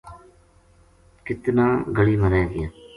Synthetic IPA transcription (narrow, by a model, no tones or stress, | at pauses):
kɪt̪nãːɡəɽiːmənɛːɡɪãː